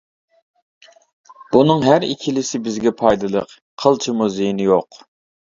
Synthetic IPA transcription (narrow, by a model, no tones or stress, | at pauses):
b̥unɨŋɦæɾikʲʰilɪsɪbɪzɡʲɛpʰɑjd̪ɨlˠə̰qʰː | əlˠt͡ʃʰɨmuzejinɪjoq